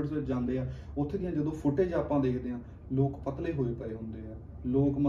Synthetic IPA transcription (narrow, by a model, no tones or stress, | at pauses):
əʈsʋɪt͡ʃd͡ʒãːnd̪eːɛ̃ːʊt̪ʰːeːd̪ɪjãːd͡ʒəd̪õːpʰʊʈeːd͡ʒaːpãːd̪eːkʰd̪eːɦãː | loːkpət̪leːɦoːiːpəeːɦʊ̃nd̪eːɦɛː | loːkmə